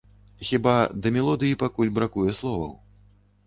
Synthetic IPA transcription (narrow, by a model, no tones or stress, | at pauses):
xʲibad̪ɐmʲɛlˠɔd̪ɨjipakulʲbɾakujɛslˠɔvɐ̰w